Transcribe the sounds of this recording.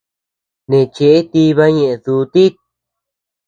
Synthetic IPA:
nẽ˨t͡ʃe˧ʔe˦t̪i˧˦βa˦ɲẽ˧ʔẽ˧ðu˨˧˦t̪i˦

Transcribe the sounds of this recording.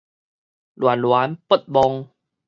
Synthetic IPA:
lwa˨˦nlwa˨˦npə˦˩t̪̚bɔ˧ŋ

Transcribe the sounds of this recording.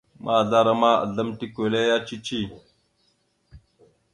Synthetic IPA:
mʔa˦˨ɮa˦ɾa˦ma˦a̰˨ɮa˦mti˦ke˨le˦ja˦t͡ʃi˦t͡ʃi˦˨

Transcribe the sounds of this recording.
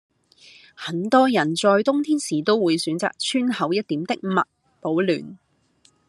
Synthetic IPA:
hɐ˨˥nt̪ɔː˥jɐ˨˩nt͡sɔː˧jt̪ʊ˥ŋt̪ʰiː˥nsiː˨˩t̪o˥wwuː˨˧jsyː˨˥nt͡sa̰ː˨k̚t͡ʃʰyː˥nhɐ˨˥wjɐ˥t̚t̪iː˨˥mt̪ɪ˥k̚mɐ̰˨t̚ | po˨˥wly̰ː˨n

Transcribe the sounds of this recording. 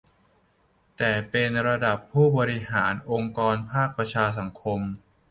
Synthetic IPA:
t̪ɛː˨˩pe˧nɾa˧da˨˩pʰːuː˥˩bɔː˧ɾi˧ɦaː˩˦nʔo˧ŋkɔː˧npʰaː˥˩k̚pɾa˧t͡ɕʰaː˧s̬a˩˦ŋkʰo˧m

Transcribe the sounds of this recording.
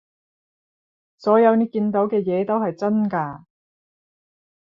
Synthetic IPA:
sɔː˨˥jɐ˨˧wni˨˥kiː˧nt̪o˨˥wkɛː˧jɛː˨˧t̪o˥wɦɐ˨jt͡sɐ˥nkaː˧

